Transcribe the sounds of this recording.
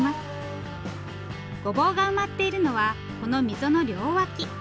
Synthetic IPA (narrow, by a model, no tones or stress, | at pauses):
masɨ̥ | ɡ̥o̞bo̞ːɡaɯ̟mat̪ːe̞iɾɯ̟no̞βa | ko̞no̞mʲizono̞ɾʲo̞ːβakʲi